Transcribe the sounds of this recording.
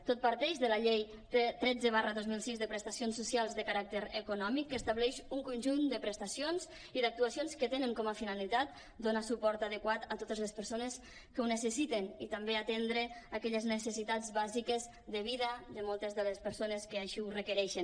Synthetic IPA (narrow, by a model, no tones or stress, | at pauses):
t̪ot̪̚paɾt̪ɛʃðəlaʎej | t̪et̪ɾɛd͡zəβarəðozmilˠsizðəpɾəst̪asionsːusialˠzðəkaɾak̚t̪əɾəkunɔmikːəst̪aβlɛʃuŋkunʲʒund̪əpɾəst̪asionz | iðak̚t̪uasionskət̪enəŋkɔməfinalit̪at̪̚ | d̪onasupɔɾt̪aðəkwat̪at̪ot̪əzləspəɾsonəs | kəwnəsəsit̪enit̪ambeat̪end̪ɾəakɛʎəznəsəsit̪ad͡zβazikəz | ðəβiðəd̪əmɔlˠt̪əzðələspəɾsonəskəaʃiurəkəɾɛʃən